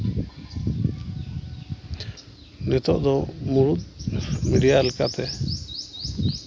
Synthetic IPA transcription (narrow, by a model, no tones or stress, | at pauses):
nɛt̪ɔʔd̪ɔmuɾut̪̚miɖijalɛkaʔt̪ɛ